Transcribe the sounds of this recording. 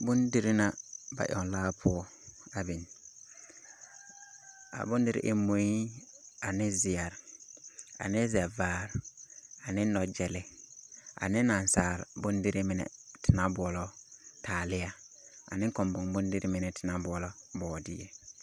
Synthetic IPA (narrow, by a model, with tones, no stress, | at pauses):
bʊ˦ndɪ˦ɾɪ˦na˨ba̰˨ʔɔ̰˨nlaː˦pʰʊ˦ɔ˦ | a˨bi˨n | a̰˨bʊ˦n˦dɪ˦ɾɪ̰˦ʔɪ̰˦mo˨ji˦ | a˨nɪ˦zɪ˨a˨ɾ | a̰˨nɪ˦zɛ˨vaː˦˨ɾa˨nɪ˦nɔ˨d͡ʒɛ˨lɪ˨˦ | a̰˨nɪ˦na˨n˨saː˨ɾbʊ˦ndɪ˦ɾɪ˦mɪ˨nɛ̰˨tʰɪ˨na˦bʊ˨ɔ˨lɔ˦tʰaː˨lɪ˦ja˦ | a̰˨nɪ̃˦ŋkɔ˨mbʊ̃˨ŋbʊ˦ndɪ˦ɾɪ˦mɪ˨nɛ˨tʰɪ˨na˦bʊ˨ɔ˨lɔ˦bɔː˨dɪ̰˦jḛ˨